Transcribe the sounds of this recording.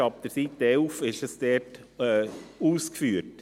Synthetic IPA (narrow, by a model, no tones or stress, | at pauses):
ɑp̚d̥̪əɾsit̪ːɛlfɪʃəsd̥ɛɾt | ɛuːskfyːət